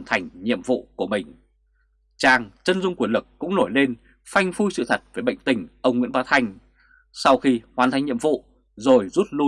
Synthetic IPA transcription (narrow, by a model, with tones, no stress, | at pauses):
nt̪ʰa˨˩jŋ̟ɲḭ˧˨əmvṵ˧˨ku˧˩əmï˨˩ŋ̟ | t͡ɕaː˧˩ŋt͡ɕə˧nzʊ˧ŋ͡mku˧˩ənlɨ˨˩k̚ːʊ̰˧˥ŋ͡mno˧˩jle˧n | fa˧jŋ̟fu˧jsɨ̰˧˨t̪ʰə˨˩t̚ve˨˩ɓə̰˧˨jŋ̟t̪ï˧˩ŋ̟ʔə˧wŋ͡mŋwḭ˧˥ənɓaː˨˧˦t̪ʰa˧jŋ̟ | sa˧wxi˧hwaː˨˩nt̪ʰa˨˧jŋ̟ɲḭ˧˨əmvṵ˧˨ | zo˨˩jzu˦˥t̚lu˧